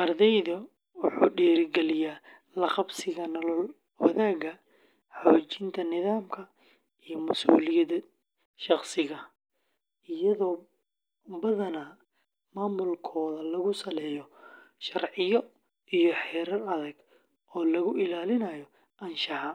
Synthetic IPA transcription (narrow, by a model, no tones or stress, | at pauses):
ʔɐrðɛjðɐ | wʊħuːɖɛːɾɡɛlɪjaː | lɐχɐbsɪɣɐnɐlɔl | wɐ̰ðaːɡɐ | ħoːt͡ʃɪnt̪ʰɐnɪðaːmkʰɐ | ijɔmɐsṵːlɪjɐd̪ɐ | ʃɑχsɪɣɐ | ɪjɐðɔː | bɐðɐnɐ | maːmʊlkʰɔːðɐlɐɣʊsɐlɛːjɔʃɐrʕɪjɔ | ijɔħɛːɾɐlɐðɐɡ | ʔɔːlɐɣʊʔɪlaːlɪnɐjɔ | ʔɐnʃɐhɐ